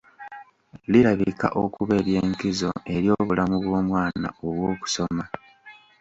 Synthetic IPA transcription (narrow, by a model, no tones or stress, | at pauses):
liɾaβika̰ʔokuβe̞ːɾje̞ːŋkizo̞̰e̞ɾjo̞βulamuβwo̞ːmwaːna̰oβwoːku̥so̞ma